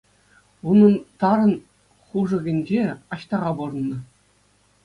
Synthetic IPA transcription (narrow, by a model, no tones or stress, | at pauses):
unɤ̆nt̪ɑɾɤ̆n | χuʐɤ̆ɡʲĕnʲd͡ʑeɑɕt̪ɑʁɑbur̆nːɤ̆